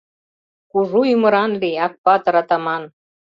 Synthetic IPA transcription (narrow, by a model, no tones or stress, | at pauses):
kuʒujymə̆ɾɑnliɑk̚pɑt̪ɤ̆ɾɑt̪ɑmɑn